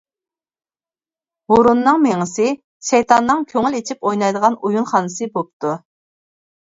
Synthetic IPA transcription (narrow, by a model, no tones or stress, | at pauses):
hoɾunːɨŋmeŋɪsɨ | ʃejt̪ʰɑnːɨŋkʲʰøŋylet͡ʃʰipojnɑjd̪əʁɑnujunχɑnɨsɨbop̚t̪ʰu